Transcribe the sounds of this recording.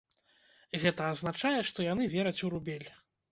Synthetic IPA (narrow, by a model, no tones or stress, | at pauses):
ɣɛt̪ɐːznat͡ʂajɛʂt̪ɔjan̪ɨvʲɛɾɐt͡sʲuɾubʲɛlʲ